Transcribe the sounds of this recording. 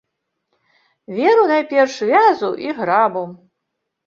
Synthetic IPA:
vʲɛɾunajpʲɛrʂvʲazuʔiɣɾabu

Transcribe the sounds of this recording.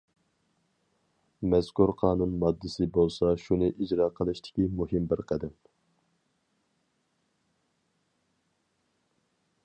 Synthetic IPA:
mɛzkuɾqʰɑːnunmɑd̪ːɨsɪbolˠsɑʃunɨʔid͡ʒɾɑːqʰəlˠɨʃt̪ʰɪ̥kʲimuɦɪmbɪɾqʰəd̪ɪm

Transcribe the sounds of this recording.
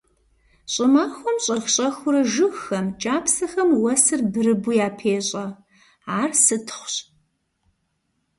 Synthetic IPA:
ɕʼɪmaːxʷɔmɕʼɐxɕʼɐxʷʊɾɐʒɨxɐmt͡ʃʼaːpʰsɐxɐmwɐsɨrbɨɾɨbʊjaːpʰeːɕʼɐ | aːrsɨtʰχʷʊɕ

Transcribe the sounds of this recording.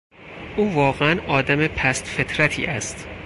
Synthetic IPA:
ʔuːvɒːɣeænʔɒːd̪æmepʰæst̪fet̪ʰɾæt̪ʰḭːʔæst̪

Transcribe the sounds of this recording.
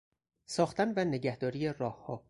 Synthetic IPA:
sɒːxt̪ænvæne̞ɟæhd̪ɒːɾijerɒːhhɒː

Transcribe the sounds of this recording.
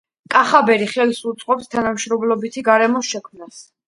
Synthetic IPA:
kʼaχabɛɾiχɛlsut̪sʼqʼɔpst̪ʰanamʃɾɔblɔbit̪ʰiɡaɾɛmɔsʃɛkʰmnas

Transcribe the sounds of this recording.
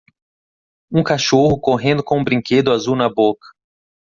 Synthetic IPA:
ũkaʃoɦʊkoɦẽnd̪ʊkõũbɾĩŋked̪ʊazuwnɐbokɐ̥

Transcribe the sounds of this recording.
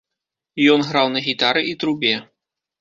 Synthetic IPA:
jɔnɣɾawnɐɣʲit̪aɾɨʔit̪ɾubʲɛ

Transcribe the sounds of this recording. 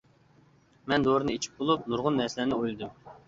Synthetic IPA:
mɛnd̪oɾɨnɨet͡ʃʰi̥p̚bolˠup̚nuɾʁʊnːɛɾsɪlɛnɪojlˠɨd̪um

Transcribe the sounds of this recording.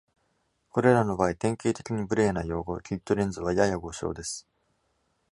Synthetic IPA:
ko̞ɾe̞ɾano̞baːit̪ẽ̞ŋke̞ːt̪e̞kʲiɲ̟ibɯ̟ɾe̞ːnajo̞ːɡo̞kʲit̪ːo̞ɾẽ̞nd͡zɨβajajaɡo̞ɕo̞̰ːd̪e̞sɨ̥

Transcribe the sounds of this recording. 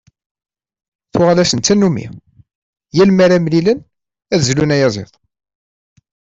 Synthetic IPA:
θʊʁlæsənt̪ːænːumḭ | jælmæɾæmlilən | æðzlunæjæzˤḛðˤ

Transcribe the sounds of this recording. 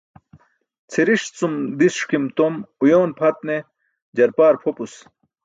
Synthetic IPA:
t͡sʰiɾiʂt͡sumd̪isʂkimt̪omujoːnpʰɐt̪̚ne | d͡ʑɐɾpaːɾpʰopus

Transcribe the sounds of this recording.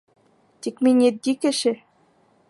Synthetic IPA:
t̪ʲikmʲinʲet̪̚ɡʲikɘ̆ɕɘ̆

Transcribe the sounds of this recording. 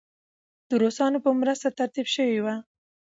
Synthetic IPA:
d̪̥əɾosɑnopəmɾəst̪at̪aɾt̪ibʃəwiwa

